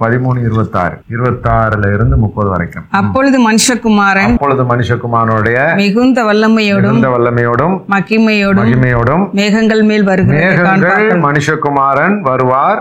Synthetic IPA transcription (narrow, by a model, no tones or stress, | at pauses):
pɐðɪmuːɳɯɪɾɯbɐt̪ːa̰ːɾɪɾɯbɐt̪ːaːɾɪlɐɪɾɯnd̪ɯmʊpːɐðɯʋɐ̰ɾɐ̰ɪkːɯmɐpːɔɻɯðɯmɐnɪʂɐkːʊmaːɾɐɐnpːɔɭɯðɯmɐnɪʂɐkːʊmaːɾɐnoːɽɯɽɐjɐmɪɣɯnd̪ɐʋɐlːɐmɐjoːɽɯnd̪ɐʋɐlːɐmɐjoːɽɯmːɐɣɪmɐjoːɽɯɐmɣɪmɐjoːɽɯmʋeːɣɐŋɡɐɭmeːlʋɐɾɯɣmɪmeɐːðːɣɐaːnɡɐaːɭmɐnɪʂɐkːʊmaːɾɐnʋɐɾɯʋaːɾ